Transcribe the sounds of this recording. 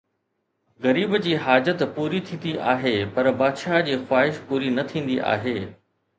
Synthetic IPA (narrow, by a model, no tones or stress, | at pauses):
ɣɐɾiːbd͡ʑiːɦaːd͡ʑət̪puːɾit̪ʰĩːn̆d̪iʔaːɦepɐɾbaːd̪ʃaːd͡ʑiːxwaːɦɪʃpuːɾinɐt̪ʰĩːn̆d̪iʔa̰ːɦeː